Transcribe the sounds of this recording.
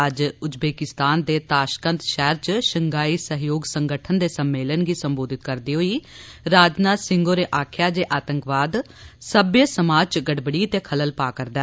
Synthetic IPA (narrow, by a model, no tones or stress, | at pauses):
əd͡ʒʊd͡ʒbeːkɪst̪aːnd̪eːt̪aːʃkə̃nt̪ʃɛːɾt͡ʃʃəŋɡaːiːsəɦjoːɡsəŋɡəʈʰənd̪eːsəmːeːlənɡiːsəmboːd̪ɪt̪kəɾd̪iːɦoːiːɾaːd͡ʒnaːsɪŋɡoːɾeːʔaːkʰjaːd͡ʒeːʔaːt̪əŋkʋaːd̪ | səbjəsəmaːd͡ʒt͡ʃɡəɖbəɽiːt̪eːkʰələlpaːkəɾd̪ɛː